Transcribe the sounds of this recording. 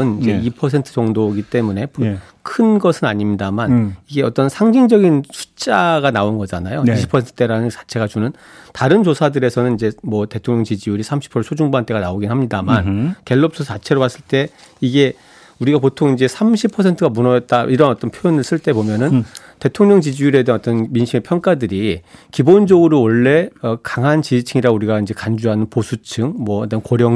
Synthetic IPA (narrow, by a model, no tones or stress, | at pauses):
ɯnid͡ʑe̞ipʰʌsʰe̞ntʰɯ̥t͡ɕʌŋdoɡit͈e̞mune̞p | kʰɯnɡʌsʰɯnaɲimɲidamaniɡe̞ʌt͈ʌnsʰaŋd͡ʑiŋd͡ʑʌɡinsʰu̥t͡ɕ͈aɡanaonɡʌd͡ʑanajoiɕʰi̥pʰʌsʰentʰɯ̥t͈eɾanɯnt͡ɕḁt͡ɕʰe̞ɡat͡ɕunɯn | taɾɯnt͡ɕosʰadɯɾe̞sʰʌnɯnid͡ʑe̞mwʌte̞tʰoŋɲjʌŋt͡ɕid͡ʑiuɾisʰamɕʰi̥pʰʌsʰod͡ʑuŋbuant͈e̞ɡanaoɡinɦamɲidamanke̞ɭːʌp̚s͈ʰɯt͡ɕat͡ɕʰe̞ɾowas͈ɯɭt͈e̞ | iɡe̞ | uɾiɡapotʰoŋind͡ʑe̞sʰamɕʰipʰːʌs̬ʰe̞ntʰɯɡamunʌjʌt̚t͈aʔiɾʌnʌt͈ʌnpʰjojʌnɯɭs͈ɯɭt͈e̞bomjʌnɯn | te̞tʰoŋɲʌŋt͡ɕid͡ʑijuɾe̞denʌt͈ʌnminɕʰiŋepʰjʌŋk͈adɯɾikibond͡ʑʌɡɯɾowʌɭːe̞ʌkaŋɦant͡ɕid͡ʑit͡ɕʰɯŋiɾauɾiɡaind͡ʑe̞kand͡ʑuɦanɯnposʰut͡ɕʰɯŋmwʌtankoɾjʌŋ